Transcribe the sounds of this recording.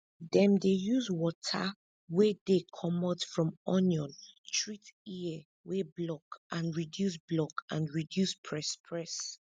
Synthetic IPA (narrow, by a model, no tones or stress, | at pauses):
dɛ̃mdejuzwɔtʰa̰ | wɛdekʰɔmɔdfɹɔ̃mɔnjɔ̃ntʰɹitiɛ | weblɔkʔãnɹidjus̬blɔkãnɹidjuspʰɹɛspʰɹɛs